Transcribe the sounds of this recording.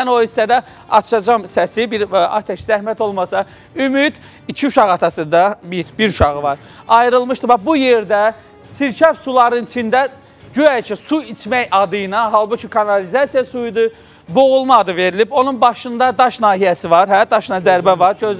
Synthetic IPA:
mæno̞isæd̪æ | ɑ̰t̪ʰʃɑd͡ʒɑmsæsibiɾɑ̰t̪ʰæʃzæhmæt̪ʰo̞lˠmɑsɑ | ymyd̪̥ | icʰiuʃɑɣɑt̪ʰɑsɯnd̪ɑbiɾbiɾuʃɑɣɯvɑɾ | ɑjɾɯlˠmɯʃt̪ɯbɑbuje̞ɾd̪æ | sʰiɾt͡ʃʰæfsulˠɑɾɯnit͡ʃʰind̪æ | ɟyæcʰisuit͡ʃʰmæjɑd̪ɯjɯnɑɦɑlˠbut͡ʃʰikʰɑnɑlizɑsijɑsujd̪ɯ | bo̞ɣulˠmɑd̪ɯve̞ɾilibo̞nunbɑʃɯnd̪ɑd̪ɑʃnɑːɦijæsivɑɾɦæd̪ɑʃɯnɑzæɾbævɑɾd͡ʒøz

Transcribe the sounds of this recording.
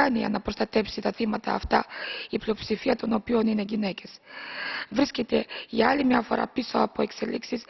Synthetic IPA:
ɐniɐ̰nɐpɾost̪ɐt̪e̞psit̪ɐθimɐt̪ɐːft̪ɐiplio̞psifiɐt̪o̞no̞pio̞nine̞ʝine̞ce̞s | vɾiscet̪e̞ʝɐɐlimɲɐfo̞ɾɐ̰piso̞ɐpo̞e̞kse̞liksis

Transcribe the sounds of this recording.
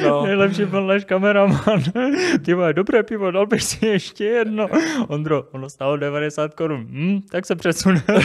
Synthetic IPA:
nɛjlɛpʃiːbɪlnaːʃkamɛɾamanpɪvoɛdobrɛːpɪvodalbɪxsɪɛʃcɛjɛdnoond̪ɾoonost̪aːlodɛvadɛsaːt̪koɾunm̩t̪aksɛpr̥ɛsunɛ

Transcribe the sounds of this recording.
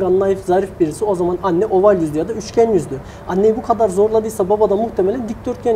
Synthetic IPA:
ɡanːˠajifzaɾifbiɾisio̞zamananːɛʔo̞valʲjyzd̪yjad̪ayt͡ʃcʰænjyzd̪y | anːe̞jibukʰad̪aɾzo̞ɾlˠad̪ɯjsababad̪amuxt̪ʰemelʲænd̪ic̚ʲd̪̥ø̞ɾt̪̚cʰɛn

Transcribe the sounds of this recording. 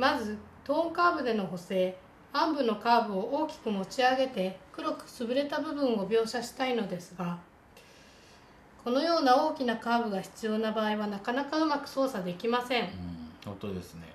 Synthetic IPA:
mazɨ | t̪o̞ːŋkaːbɯ̟d̪e̞no̞ɦo̞se̞ː | ãmbɯ̟no̞kaːbɯ̟o̞ʔo̞ːkʲi̥kɯ̟mo̞t͡ɕiaɡe̞t̪e̞kɯ̟ɾo̞kɯ̟̥sɨbɯ̟ɾe̞t̪abɯ̟bɯ̟̃ɰ̃o̞bʲjo̞ːɕaɕi̥t̪aino̞d̪e̞sɨɡa | kʰo̞no̞jo̞ːnao̞ːkʲinakaːbɯ̟ɡaçi̥t͡sɨjo̞ːnabaːiβ̞anakanakaɯ̟makɯ̟̥so̞ːsad̪e̞kʲimasẽ̞ɴõ̰t̪od̪esɨnḛ

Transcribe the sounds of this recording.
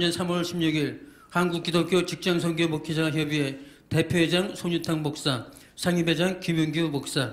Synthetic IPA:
ɲʌnsʰamʌɭɕʰimɲuɡiɭ | hanɡuk̚k͈idop̚k͈jot͡ɕik̚t͡ɕ͈aŋsʰʌŋɡjomokʰid͡ʑaaçjʌbiete̞pʰjoed͡ʑaŋsʰoɲutʰaŋbok̚s͈a | sʰaŋibed͡ʑaŋkimjuŋɡomok̚s͈a

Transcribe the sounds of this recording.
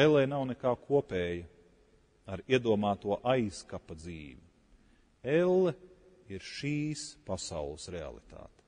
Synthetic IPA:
ɛlˠːɛjnawnekaːkʰuɔpeːjɐ | aɾiɛd̪uɔmaːt̪uɔʔajskapɐd̪zḭːʋi | elˠːɛ | iɾʃiːspasa̰wlˠəsɾea̰lˠḭt̪a̰ːt̪

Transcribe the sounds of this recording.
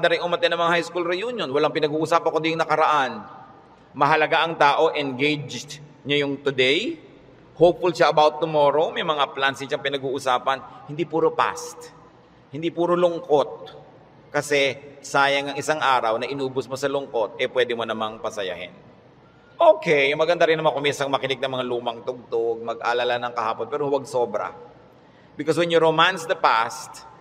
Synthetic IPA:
d̪ɐɾɪŋʊmɐt̪ɛnɐŋmɐŋahajskulɾɪjuːnjonwɐlaŋpɪnɐɡuːʔʊsaːpɐŋkod̪ijʊŋnɐkɐɾɐʔan | mɐɦɐlɐɡaʔɐŋt̪aːʔo̞ʔɛnɡejd͡ʒɲajʊŋt̪ʊd̪ɛj | hop̚fʊlʃaʔɐbawt̪ːʊmoːɾomɐjmɐŋaplansɪŋʃɐŋpɪnɐɡuːʔʊsaːpɐnhɪnd̪ipuːɾopa̰st̪ | hɪnd̪ipuːɾolʊŋko̞t̪̚ | kɐsɛsaːjɐŋɐŋɪsaŋʔaːɾɐwnɐʔɪnuːbʊsmosɐlʊŋkot̪̚ʔɛpwɛːd̪ɪmonɐmaŋpɐsɐja̰hɪ̰n | ʔokɛjmɐɡɐnd̪aɾɪnːɐmankʊminsɐŋmɐkɪnɪɡ̚nɐŋmɐŋaluːmɐŋt̪ʊɡ̚t̪oɡ̚mɐɡ̚ʔa̰ːlalanɐŋkɐhaːponpɛːɾowɐɡ̚soːbɾɐ̰ | bɪkos̬wɛnjʊɾomansd̪ɐpast̪̚

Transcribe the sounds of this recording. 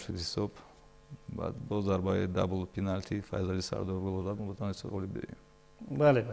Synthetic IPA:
ʃid̪hisɔb | ba̰d̪bɔzaɾbaid̪a̰bulˠpʰinalt̪ʰifa̰jzalisa̰ɾd̪ɔɾɾɡulˠɔzad̪mɔbat̪ʰanhisɔ̰ɣɔlibd̪ɔ̰ɾḭm | baleba

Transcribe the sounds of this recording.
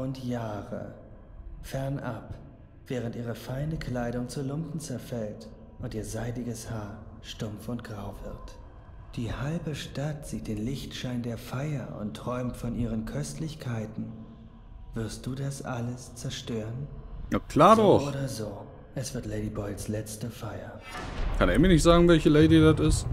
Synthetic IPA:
ʔʊntjaːʁə̰ | fɛɐnʔap | v̥ɛːʁ̞əntʔiːʁ̞əfaɪnəkʰl̥aɪɾʊŋt͡sulʊmpn̩t͡sɛɐfɛlt | ʔʊntiːɐzaɪdɪɡəshaːɐʃtʊmfʊntɡ̥ʁaʊvɪɐt | d̥iːhalbəʃtatz̥iːt̚d̥eːnlɪçtʃaɪndeːɐfaɪɐʔʊ̰ntʁ̥ɔʏmtfɔnʔiːʁənkʰœstʰlɪçkʰaɪtn̩ | v̥ɪɐst̚d̥uːdasʔaləst͡sɛɐʃtøːʁənjakʰl̥aːɐdɔʔoːɾɐzoː | ʔɛsv̥ɪɐtleɪɾibɔʏlslɛt͡stəfaɪɐ | kʰaneːɐmiːɐnɪçtz̥aːɡŋ̩vɛlçəleɪdidatɪst

